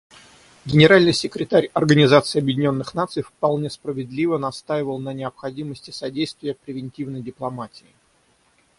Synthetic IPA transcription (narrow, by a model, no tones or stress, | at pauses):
ɡʲɪnʲɪɾalʲnɨjsʲɪkɾʲɪt̪aɾʲɐrɡənʲɪzat̪sɨɪːɐbjɪdʲɪnʲo̞nːɨxnat̪sɨjfpɐlˠnʲe̞spɾəvʲɪd̪lʲivənɐst̪ajɪvəlˠnənʲɪəpxɐdʲiməsʲtʲɪ̥sɐdʲejst̪vʲɪjəpɾʲɪvʲɪnʲtʲivnəjdʲɪplˠɐmatʲɪː